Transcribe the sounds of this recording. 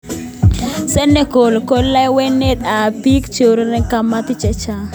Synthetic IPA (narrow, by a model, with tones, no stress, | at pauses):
sɛ˦ne˦ko˨lko˦lːa˦we˦ne˦t̪a˨pi˦kt͡ʃo˨ɾnɛ˦ka˦ma˦t̪ɪ˦t͡ʃɛ˦t͡ʃa˦